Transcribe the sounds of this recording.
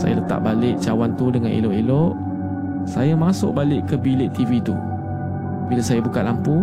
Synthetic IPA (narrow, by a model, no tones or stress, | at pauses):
sa̰jalət̪a̰ʔbalɪʔt͡ʃawant̪udəŋanḭlɔʔiloʔ | sajamasʊ̰ʔ̚balɪʔkəbilɪʔt̪ivit̪ṵ | bilasajabukat̪̚lampu